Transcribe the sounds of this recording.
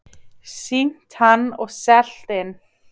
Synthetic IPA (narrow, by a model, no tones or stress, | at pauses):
siŋ̥t̪hanːɔɣsɛl̥t̪ɪn